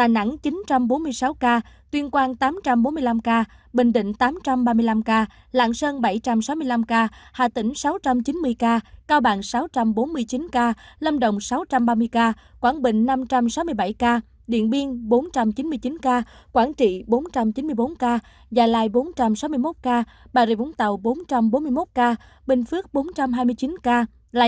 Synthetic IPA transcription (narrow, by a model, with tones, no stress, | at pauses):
t̪a̰ː˨jna̰˧˥ŋt͡ɕi˨˦nt͡ɕa˧mɓo˨˦nmɨ˧əjsa˨˦wkaː˧t̪wi˧ənkwaː˧nt̪aː˨˦mt͡ɕa˧mɓo˨˦nmɨ˧əjla˧mkaː˧ | ɓï˨˩ŋ̟ɗḭ̈˧˨ŋ̟t̪aː˨˦mt͡ɕa˧mɓaː˧mɨ˧əjla˧mkaː˧ | la̰ː˧˨ŋsəː˧nɓa˧˩jt͡ɕa˧msa˨˦wmɨ˧əjla˧mkaː˧ha̰ː˧˨˩t̪ï˧˩ŋ̟sa˨˦wt͡ɕa˧mt͡ɕi˨˦nmɨ˧əjkaː˧kaː˧wɓa̰ː˧˨ŋsa˨˦wt͡ɕa˧mɓo˨˦nmɨ˧əjt͡ɕi˨˦nkaː˧lə˧mɗə̰˧˨wŋ͡msa˨˦wt͡ɕa˧mɓaː˧mɨ˧əjkaː˧ | kwaː˧˩nɓï˧˨ŋ̟na˧mt͡ɕa˧msa˨˦wmɨ˧əjɓa˧˩jkaː˧ | ɗḭ˧˨ənɓi˧əŋɓo˨˦nt͡ɕa˧mt͡ɕi˨˦nmɨ˧əjt͡ɕi˨˦nkaː˧kwaː˧˩nt͡ɕḭ˧˨ɓo˨˦nt͡ɕa˧mt͡ɕi˨˦nmɨ˧əjɓo˨˦nkaː˧ | zaː˨˩jlaː˧jɓo˨˦nt͡ɕa˧msa˨˦wmɨ˧əjmo˦˥t̚kaː˧ | ɓaː˨˩zḭ˧˩ʔʊ˨˦ŋ͡mt̪ə˨˩wɓo˨˦nt͡ɕa˧mɓo˨˦nm˧əjmo˦˥t̚kaː˧ | ɓï˨˩ŋ̟fɨ˦˥ək̚ɓo˨˦nt͡ɕa˧mɦaː˧jmɨ˧jt͡ɕi˨˦nkaː˧ | laː˧˨